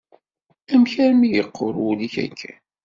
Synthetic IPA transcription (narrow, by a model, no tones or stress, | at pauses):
æmçæɾmijəqʰːoɾwuliçæ̰kʰːæ